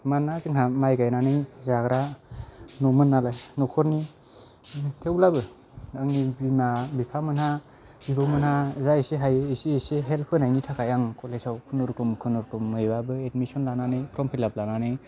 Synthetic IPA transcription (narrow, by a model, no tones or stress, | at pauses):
manːazɯŋɦamajɡajnanɯjzaɡɾa | nɔmɯnːalajnɔkʰɔɾni | tʰewlabɯ | aŋnibinabipʰamɯnha | bibɯmɯnhazaesiɦajisiːseɦelpʰɯnajnitʰakʰajaŋkɔlezawkʰɯnɔɾkɯmkʰɯnɔɾkɯmːɯjbabɯedmisɔnlananɯjpʰɾɔmpʰilab̚lananɯj